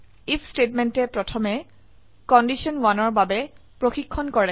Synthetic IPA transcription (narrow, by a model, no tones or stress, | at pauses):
ipʰstetmɛntɛpɹɔtʰɔmɛ | kɔndisiɔnwanɔɹbabɛ | pɹoxikʰːɔnkɔɹɛ